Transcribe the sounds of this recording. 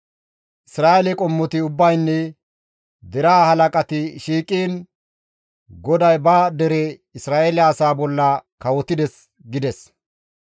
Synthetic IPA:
ʔɪsɾaːʔɛlɛkʼɔmːɔt̪ɪʊbːɐjnːɛ | d̪ɛɾaːhɐlɐkʼɐt̪ɪʃiːkʼiːn | ɡɔd̪ɐjbaːd̪ɛɾɛ | ɪsɾaːʔelɪːsaːbɔlːɐkɐwɔt̪ːɪd̪ɛs | ɡɪd̪ɛs

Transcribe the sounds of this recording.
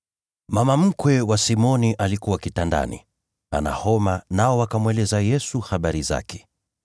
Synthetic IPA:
mamam̩kwɛwasimɔniʔalikuwakitanda̰nḭ | a̰na̰hɔmanaɔwakamwɛlɛzajɛsuxaɓaɾiza̰kʰɛ̥

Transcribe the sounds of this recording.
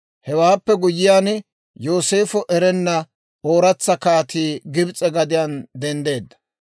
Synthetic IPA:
hɛwaːpːɛɡʊjːɪjaːn | jo̞ːse̞ːfɔʔɛɾɛnːɐ | o̞ːɾɐt͡sːɐkaːt̪iːɡɪbt͡sʼɛɡɐd̪ɪjand̪ɛnd̪e̞ːd̪ːɐ̥

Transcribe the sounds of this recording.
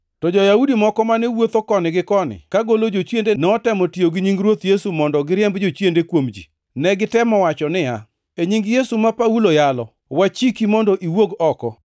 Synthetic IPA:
tɔd͡ʒɔjaudimɔkɔmanɛwot̪okɔnɪɡɪkɔnɪ̰kaɡolod͡ʒot͡ʃjendenɛɔtɛmɔtijoɡɪɲiŋɡɾwot̪jesumɔndɔɡɪɾjɛmbd͡ʒot͡ʃjendekwomd͡ʒi | nɛɡɪtɛmɔwat͡ʃɔnɪa̰ | eɲiŋɡjesumapaulojalɔ | wat͡ʃikimɔndɔʔiwoɡɔkɔ

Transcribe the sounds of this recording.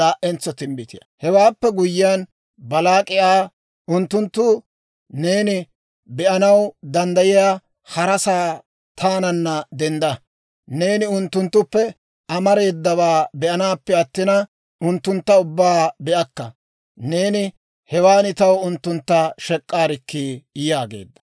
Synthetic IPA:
laːʔɛnt͡sːɔt̪ɪmbɪt̪ɪjɐ̰hɛwaːpːɛɡʊjːɪjaːn | bɐlaːkʼɪjaː | ʊnt̪ːʊnt̪ːʊ | neːnɪ | bɛʔɐnɐwd̪ɐnd̪ɐjɪjaː | hɐɾɐsaː | t̪ʰaːnɐnːɐd̪ɛnd̪ɐ | ne̞ːnɪʊnt̪ːʊnt̪ːʊpːɛ | ɐmɐɾe̞ːd̪ːɐβaːbɛʔɐnaːpːɛɐt̪ːɪnɐ | ʊnt̪ːʊnt̪ːɐʊbːaːbɛʔɐkːɐ | ne̞ːnɪ | hɛwaːnɪt̪ɐwʊnt̪ːʊnt̪ːaʃɛkʼːaːɾɪkːijaːɡḛːd̪ːɐ̥

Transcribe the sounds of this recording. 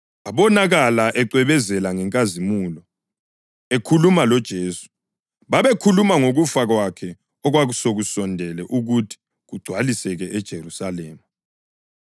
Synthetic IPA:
aβɔnaɣalaʔɛǀwɛβɛzɛlaŋɛŋkʼazimulɔ | ekʰulumalɔd̥ʒ̥ʱeːsu̥ | βaβekʰulumaŋoɣufaɣwakʰɛ | ɔɣwaɣusoɣusɔndʱɛlɛʔuɣutʰi̥ | ɣuɡ͡ǀ̥ʱwalisɛɣɛʔɛd̥ʒ̥ʱerusalɛːma

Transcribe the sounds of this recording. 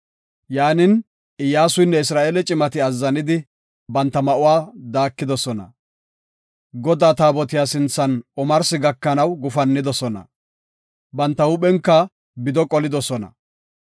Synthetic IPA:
jaːnɪn | ɪjaːsʊjnːɛɪsɾaːʔeːlɛt͡ʃʼɪmɐt̪ɪɐzːɐnɪd̪ɪ | bɐnt̪ːɐmɐʔʊwaːd̪aːkːɪd̪ɔsɔnɐ̰ | ɡɔd̪aːt̪aːbɔt̪ɪjaːsɪnt͡sːɐnɔmɐɾsɪɡɐkːɐnɐwɡʊfɐnːɪd̪ɔsɔnɐ̰ | bɐnt̪ːɐʊɓɛŋkːɐ | bɪd̪ɔkʼɔlɪd̪ɔsɔnɐ̰

